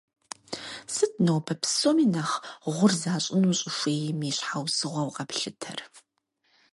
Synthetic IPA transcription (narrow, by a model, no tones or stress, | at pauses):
sɨtnowbʰɐpʰsomiːnaχʁʷʊrzaːɕʼɪnuːɕʼɪfʷeːjmiːɕħawsɨʁʷɐwqɐpɬɨtʰɐ̰r